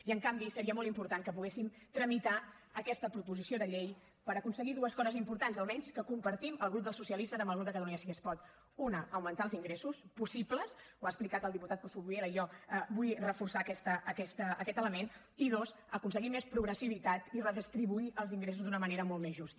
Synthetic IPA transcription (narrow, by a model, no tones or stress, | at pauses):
iəŋkambisəɾiəmɔlˠt̪impuɾt̪aŋkəpuɣesim | t̪ɾəmit̪a | əkɛst̪əpɾupuzisioðəʎej | pəɾəkunsəɣiðuəskɔzəzimpuɾt̪anzəlˠmɛɲskəkumpəɾt̪iməlˠɣɾup̚d̪əlˠsusiəlist̪əzəmbəlˠɣɾup̪̚əkət̪əluɲəsiɣəspɔt̪ | unəʔəwmənt̪aəlˠziŋɡɾesuspusipləsuaəsplikat̪əlˠd̪iput̪at̪̚kusuβueləijɔbujrəfursakɛst̪əːkɛst̪əːkɛt̪ələmen | iðos | əkunsəɣimːespɾuɣɾəsiβ̞it̪at̪irəðist̪ɾiβuiʔəlˠziŋɡɾes̬uzd̪unəməneɾəmɔlˠt̪mezʒust̪ə